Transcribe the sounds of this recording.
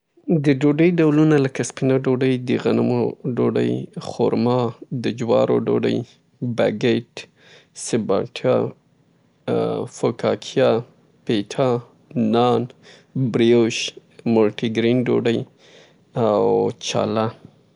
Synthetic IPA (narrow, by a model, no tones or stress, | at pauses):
d̪əɖoɖəjɖawlunalakaspinaɖoɖəjd̪əɣanamoɖoɖə̰jxo̰ɾmɑd̪əd͡ʒwɑ̰ɾo̰ɖo̰ɖə̰j | ba̰ɡeʈ | sɪbɑʈʰjɑ | fokɑkʰijɑ | peʈʰɑ | nɑn | bɾioʃ | molʈiɡɾinɖo̰ɖəj | awt͡ʃɑ̰la